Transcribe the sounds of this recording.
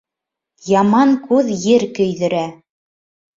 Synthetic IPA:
jɑmɑŋkʉðjɘɾkɵ̆jðɘ̆ɾæ

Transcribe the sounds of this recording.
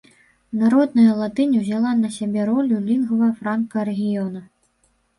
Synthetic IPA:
naɾɔd̪nɐjɐlˠat̪ɨnʲɐwzʲalˠanɐsʲabʲɛɾɔlʲulʲinɣɐvɐfɾankɐɾɛɣʲijɔnɐ

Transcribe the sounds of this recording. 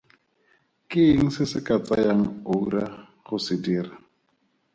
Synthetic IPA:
kʼɪŋ̩sɪsɪkʼat͡sʼajaŋ̩ouɾa | χʊsɪdiːra

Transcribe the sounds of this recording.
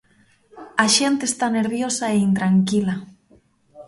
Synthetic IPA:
aʃent̪eːst̪aneɾβjosaeint̪ɾaŋkila

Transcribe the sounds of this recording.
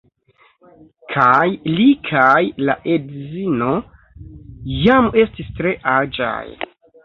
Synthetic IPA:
kʰajlikʰajlaʔedzino̞ | jame̞stistɾe̞ʔad͡ʒa̰j

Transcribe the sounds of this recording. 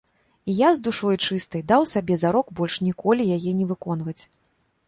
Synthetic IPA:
ijazd̪uʂɔjt͡ʂɨst̪ɐjd̪awsabʲɛzaɾɔkbɔlʲʂnʲikʰɔlʲijajɛnʲɛvɨkɔn̪vɐt͡sʲ

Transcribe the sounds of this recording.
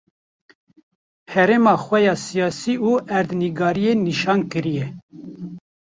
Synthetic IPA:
hɛɾeːmɑːxwɛjɑːsijɑːsiːuːæɾd̪niɡɑːɾijeniʃɑːnkɨɾijɛ

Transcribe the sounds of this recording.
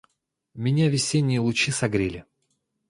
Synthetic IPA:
mʲɪnʲavʲɪsʲenʲːɪjəlˠʊt͡ɕisɐɡɾʲelʲɪ

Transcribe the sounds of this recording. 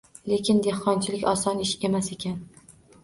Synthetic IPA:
le̞kʲɪnd̪ehqɒnt͡ʃʰɪlɪkʲɒsɒnɪʃe̞mase̞kʲan

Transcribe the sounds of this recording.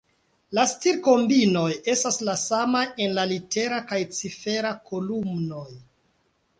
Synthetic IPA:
lastiɾko̞mbino̞je̞staslasamaje̞nlalite̞ɾakajt͡sife̞ɾakʰolumno̞j

